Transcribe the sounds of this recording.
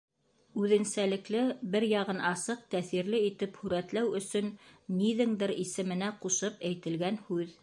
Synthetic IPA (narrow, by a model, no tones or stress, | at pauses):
ʉðɘ̆nsælɘ̆klɘbɘɾjɑʁɤnɑsɤq̚t̪æθiɾlɘit̪ɘphʉɾæt̪læwɵ̆sɵnːiðɘŋd̪ɘɾisɘ̆mɘ̆næquʃɤpæjt̪ɘ̆lɡænhʉð